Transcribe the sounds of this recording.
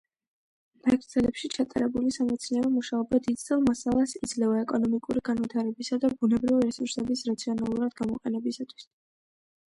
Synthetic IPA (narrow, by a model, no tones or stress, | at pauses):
mɛkʰd̪zɛlɛpʃit͡ʃʰat̪ʼa̰ɾɛbulisamɛt̪sʰniaɾɔmuʃaɔbad̪id̪zɛlˠmasalˠasid̪zlɛvaɛkʼɔnɔmikʼuɾiɡanvit̪ʰaɾɛbisad̪abunɛbɾiviɾɛsuɾsɛbisɾat̪sʰiɔnalˠuɾad̪ɡamɔqʼɛnɛbisat̪ʰwi̥s